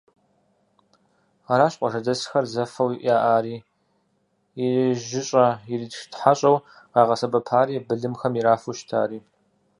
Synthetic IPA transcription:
aɾaːɕʼqʷʼɔʐɐdɐsxɐrzɐfɐwiʔjaːʔaːɾiː | iʒɪɕʼɐiritxtħaɕʼɐw | ɑːʁɐsɐbɐpʰaːɾiːbɨɮɨmxɐmiɾaːfuʃtʰa̰ːɾiː

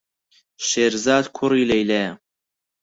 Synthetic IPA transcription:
ʃeːɾzaːd̪kʰʊriːlɐjlɐjɐ

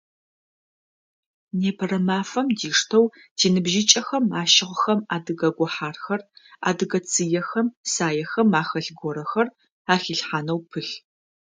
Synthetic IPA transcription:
neːpʰɐrɐmaːfɐmdiːʂtʰɐw | d̥iːnɨbʒɪt͡ʃʼɐxɐmaːʃɪʁxɐmaːdɨɡɐɡʷɔħaːrxɐra̰ːdɨɡɐt͡sʼʰɨjɛxɐmsaːjɛxɐmaːxɐɬɡʷɔɾɐxɐr | aːxiːɬħaːnɐwpʰɨɬ

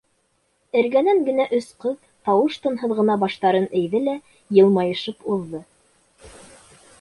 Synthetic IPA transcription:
ɘ̆ɾɡænæŋɡɘ̆næʔɵ̆sqɤð | t̪ɑwɤʃt̪ŏnɦɤ̆ðʁɤ̆nɑbɑʃt̪ɑɾɤnɘ̆jðɘlæ | jɤ̆lˠmɑjɤ̆ʃɤpuðːɤ

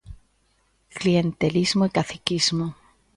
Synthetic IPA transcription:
klient̪elizmoikaθikizmo

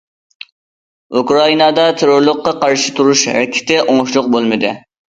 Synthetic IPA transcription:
ukɾɑinɑd̪ɑt̪ʰeɾoɾlˠʊqːɑqʰɑɾʃɪ̥t̪ʰuɾuʃɛkʲʰɪ̥t̪ɪʔoŋʃlˠʊq̚bolˠmɨd̪ɨ

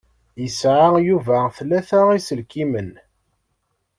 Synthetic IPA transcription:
jəsʕajuvæθlːæθaisəlkimən

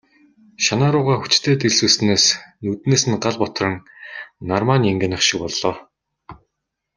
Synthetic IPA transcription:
ʃanaːɾʊːʁaːxu̥t͡ɕt̪ʰeːt̪eɮsuːsɘ̆neːsnut̪neːsɘ̆nɢaɮpɔt̪rə̆ŋnarmaːnʲieŋɡʲĕnə̆χʃik̚pɔɮːɔː

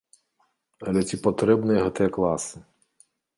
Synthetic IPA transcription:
ɐlʲɛt͡sʲipɔt̪ɾɛbnɪjɦɐt̪ɛklˠɑsɪ

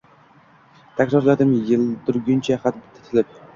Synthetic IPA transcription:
t̪ʰakʲɾɒɾlad̪ɪmjɪlˠd̪ʊɾɡʲʊnt͡ʃʰaχat̪̚bɪt̪ʰːɪ̥t̪ʰɪlɪp̚

